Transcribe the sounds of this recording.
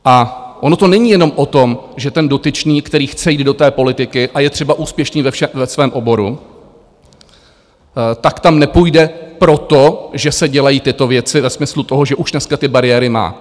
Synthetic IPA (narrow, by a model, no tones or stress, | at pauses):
ʔaʔono̞t̪o̞nɛɲiːjɛno̞mʔo̞t̪omʒɛt̪ɛndo̞t̪ɪt͡ʃniːkt̪ɛɾiːxt͡sɛjiːd̪̚do̞t̪ɛːpo̞lɪt̪ɪkɪʔajɛt̪r̝̥ɛbaʔuːspjɛʃniːvɛfʃɛvɛsvɛːmʔo̞bo̞ɾu | t̪akt̪amnɛpujdɛpɾo̞t̪oʒɛsɛɟɛlajiːt̪ɪt̪o̞vjɛt͡sɪvɛsmɪslut̪o̞ɦoʒɛʔuʃnɛskat̪ɪbaɾɪjɛːɾɪma̰ː